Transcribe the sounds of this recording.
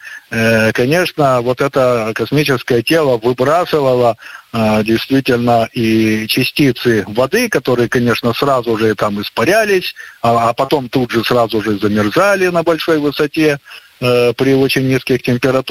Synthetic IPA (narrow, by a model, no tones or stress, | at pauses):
kɐnʲe̞ʂnəvo̞t̪ɛt̪əkɐsmʲit͡ɕɪskəjətʲe̞lˠəvɨbɾasɨvəlˠə | dʲɪjst̪vʲitʲɪlʲnəʔit͡ɕɪsʲtʲit̪sɨvɐd̪ɨkɐt̪o̞ɾɨjəkɐnʲe̞ʂnəsrazʊʐɨt̪amɨspɐɾʲælʲɪsʲːpɐt̪o̞mt̪ud̪ʐɨsrazʊʐɨzəmʲɪrzalʲɪnəbɐlʲʂo̞jvɨsɐtʲe | pɾʲɪo̞t͡ɕɪnʲnʲiskʲɪxtʲɪmʲpʲɪɾɐt̪